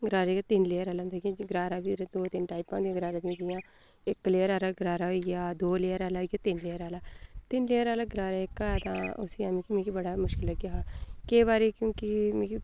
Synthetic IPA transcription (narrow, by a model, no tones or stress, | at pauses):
ɡɾaːɾaɡaːt̪ɪnleːəɾaːlãnd̪aɡãɡɾaːɾaːbiːɾd̪oːt̪ɪnʈaːipãːnd̪ijãːɡəɾaːɾaːd̪ĩːd̪ɪjãː | ɪkːleːəɾaːɾaːɡɾaːɾaːɦoiɡjaːd̪oːleːəɾaːlaːɦoːɡjaːt̪ɪnleːəɾaːlaːt̪ɪnleːəɾaːlaːɡɾaːɾaːɪkat̪ãːʊ̰siːãːmĩːkimɛ̃ːkibəɽaːmʊʃkɪlːəɡjaːkeːβaːɾeːkjõːkɪmɛ̃ːki